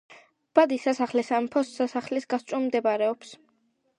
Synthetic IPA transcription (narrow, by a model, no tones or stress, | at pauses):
b̥ad̪isasaχlɛsampʰɔsasaχlisɡast̪t͡ʃ̪ʼumd̪ɛbaɾɛɔps